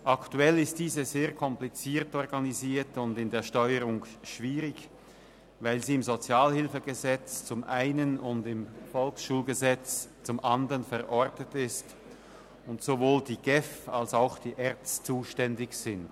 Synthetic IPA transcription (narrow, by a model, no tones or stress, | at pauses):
ʔaktuɛlɪst̚d̥iːzəzeːɐkʰɔmplit͡siːtɔʁɡaniziːɐtʊndɪndeːɐʃtɔʏəʁʊŋʃv̥iːʁɪç | vaɪlziːɪmzot͡sjaːlhɪlfəɡəzɛt͡st͡sʊmʔaɪnənʊndɪmfɔlksʃuːlɡəzɛt͡st͡sʊmʔandəʁənfɛʁʔɔʁtətɪst | ʊntsovoːldiːɡ̥ɛfalsaʊxd̥iːʔɛɐt͡st͡suːʃtɛndɪçz̥ɪnt